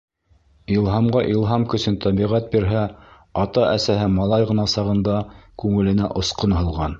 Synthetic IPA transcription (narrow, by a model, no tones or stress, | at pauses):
ilˠɦɑmʁɑʔilˠɦɑmkɵ̆sɘnt̪ʰɑβiʁæt̪̚biɾɦæ | ɑt̪ɑʔæsæhɘmɑlˠɑjʁɤ̆nɑsɑʁɤ̆nd̪ɑkʉŋɘ̆lɘ̆næ̰ʔŏsqonɦɤ̆lˠʁɑn